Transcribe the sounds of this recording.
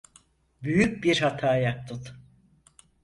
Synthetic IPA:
byjyc̚ʲbiɾhat̪ʰaːjak̚t̪ʰɯt̪

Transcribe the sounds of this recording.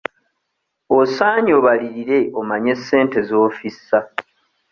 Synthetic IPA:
osaːɲoβaliɾiɾe̞omaɲe̞sːe̞ːnte̞zo̞ːfisa

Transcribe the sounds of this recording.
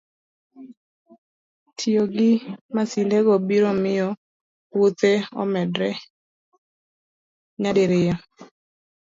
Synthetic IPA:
tʰijoɡɪmasileɡɔbiɾɔmɪjɔ | ut̪eɔ̰mɛdɾɛ | ɲadeɾɪja

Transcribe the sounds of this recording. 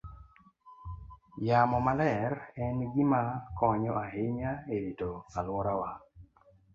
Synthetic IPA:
jamɔmalɛɾɛnɡɪmakɔɲɔaɦɪɲaeɾitoalwɔɾawa

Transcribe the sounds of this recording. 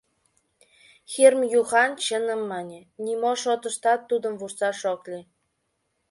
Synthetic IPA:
xermjuxɑnt͡ɕə̆nə̆mːɑnʲenʲimoʃot̪ə̆ʃt̪ɑt̪ːud̪ə̆mvuʃsɑʃoklʲi

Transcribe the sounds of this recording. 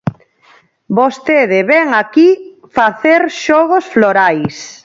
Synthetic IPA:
bost̪eðeβɛŋakifaθeɾʃɔɣosfloɾajs

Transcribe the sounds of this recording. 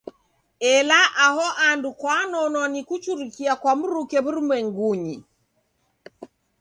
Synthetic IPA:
ɛlaʔaɦɔʔandukwanɔnɔnikut͡ʃuɾikiakwam̩ɾukɛβuɾumwɛŋɡuɲi

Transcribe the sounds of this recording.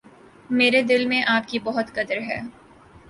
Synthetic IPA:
meːɾed̪ɪlmẽʔaːp̚kibɔɦʊt̪kɐd̪əɾɦɛ̰ː

